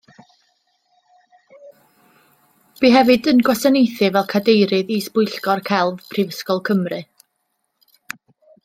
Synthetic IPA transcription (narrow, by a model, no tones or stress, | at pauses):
b̥iɦɛvɨdənɡwasanejθɨvɛlˠkʰadejɾɨðiːsb̥ʊɨjɬkɔrkʰɛlˠvpʰrivəskɔlˠkʰəmrɨ